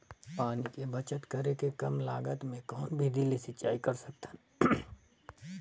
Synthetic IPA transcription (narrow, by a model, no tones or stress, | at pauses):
paːnikebɐt͡ʃət̪kəɾekekɐmlaːɡət̪mẽkɔːnbʱid̪ilisɪt͡ʃaːikɐɾsɐk̚t̪e̥